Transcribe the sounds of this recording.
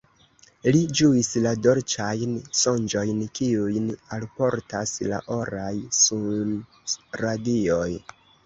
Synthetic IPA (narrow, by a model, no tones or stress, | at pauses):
lid͡ʒuislado̞ɾt͡ʃajnsond͡ʒo̞jnkiujnalpo̞ɾtasla̰ʔo̞ɾajsun | ɾadioj